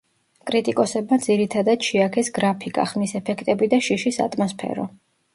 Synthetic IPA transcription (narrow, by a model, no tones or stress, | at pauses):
kʼɾit̪ʼikʼɔsɛbmad̪ziɾit̪ʰad̪ad̪ʃiakʰɛsɡɾapʰikʼa̰χmisɛpʰɛkʰt̪ʼɛbid̪aʃiʃisa̰t̪ʼmɔspʰɛ̰ɾɔ̰